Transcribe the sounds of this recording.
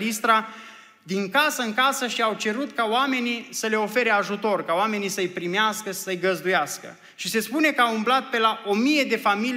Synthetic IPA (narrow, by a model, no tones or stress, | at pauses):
list̪ɾa | d̪iŋkasəɨŋkasəʃiawt͡ʃe̞ɾut̪kaoame̞nisəle̞o̞fe̞ɾe̞aʒut̪o̞rkaoame̞nisəɨjpɾimeaskəʃi̥səɨjɡəzd̪ujaskə̰ | ʃise̞spune̞kəaumblat̪̚pe̞laʔo̞mije̞d̪e̞famil